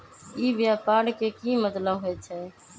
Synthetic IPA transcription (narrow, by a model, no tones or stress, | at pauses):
iːbɪjaːpaːɽkeːkiːmət̪ləɦoɛːt͡ʃʰɛː